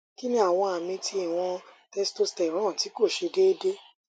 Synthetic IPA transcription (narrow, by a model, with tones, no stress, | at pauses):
ki˦nĩ˦a˦˨w̃ɔ̃˧a˨mĩ˧tʰi˧i˦˨w̃ɔ̃˧ | tɛ˦sto˦stɛ˨ɾ̃ãː˦˨ti˨˦ko˦˨ʃe˨˧de˦de˦